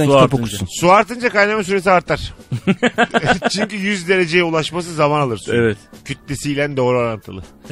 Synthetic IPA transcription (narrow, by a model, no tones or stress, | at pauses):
apkusuaɾt̪ɯnd͡ʒakajnamasyɾe̞siaɾt̪ʰaɾ̥ | t͡ʃʰyɲcyjyzd̪e̞ɾe̞d͡ʒe̞jɛulˠaʃmas̬ɯzamanalˠɯɾsɛvɛt̪cʰyt̪̚lʲesijlʲænd̪o̞ːɾuaɾant̪ʰɯlˠɯ